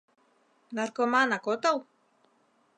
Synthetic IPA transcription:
narkomaːnakot̪aw

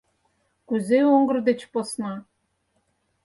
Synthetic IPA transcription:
kuzeoŋɡɤ̆rd̪ĕt͡ɕposnɑ

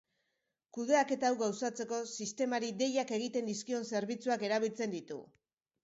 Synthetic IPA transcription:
kuðe̞ake̞t̪aːwɣawsat͡se̞ko̞sist̪e̞maɾid̪e̞jake̞ɣ̞it̪e̞nd̪iskio̞nse̞ɾβit͡suake̞ɾaβ̞ilt͡se̞nd̪it̪ṵ

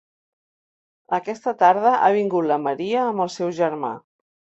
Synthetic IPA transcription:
əkɛst̪ət̪aɾð̞əʔa̰β̞iŋɡut̪ləməɾiəːmbəlˠsɛwʒəɾma̰

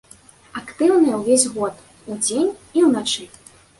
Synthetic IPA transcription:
akt̪ɨwnɐjɛwvʲesʲɣɔt̪ | ud͡zʲenʲiwnat͡ʂɨ

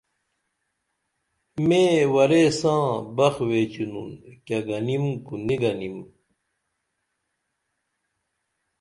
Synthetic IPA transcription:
mewɐɾesãːbɐxweːt͡ɕununkɐɡɐnimkuniɡɐnim

